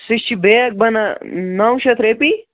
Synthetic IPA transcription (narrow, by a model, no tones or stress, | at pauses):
siʃt͡ʃʰibejɐk̚bɐnanɐwʃɐt̪ʰɾepi